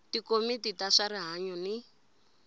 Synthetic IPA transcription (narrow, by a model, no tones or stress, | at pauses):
tikomititaʂaɾiɦaɲɔni